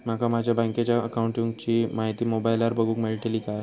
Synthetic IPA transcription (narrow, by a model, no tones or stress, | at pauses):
m̤akamad͡ʑʱjabãŋkat͡ɕjaəkauɳʈĩŋɡt͡ɕiːmaɦit̪iːmobajlaɾbəɡuːkmeɭiʈeliːkaj